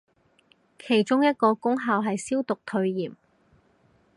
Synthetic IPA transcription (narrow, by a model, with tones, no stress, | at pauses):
kʰe˨˩jt͡ʃʊ˥ŋjɐ˥t̚kɔː˧kʊ˥ŋɦaː˨˧wɦɐ˨jsiː˥wt̪ʊ˨k̚t̪ʰɵ˧ɥjiː˨˩m